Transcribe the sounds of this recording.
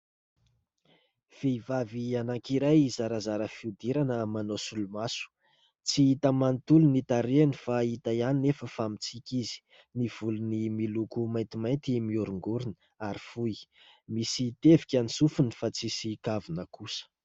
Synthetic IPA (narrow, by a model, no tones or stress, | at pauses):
v̥eivavianaŋkiɾajzaɾazaɾəfiud̪iɾanəmanosulumasu̥ | t͡siit̪əmant̪ulunit̪aɾeanifait̪ajaninefəfamit͡sikʲizi̥ | niv̥ulunimilukumajnt̪imajnt̪imiuɾuŋɡuɾinə | aɾifujmisit̪evikʲanisufunifat͡sisikavinəkusə̥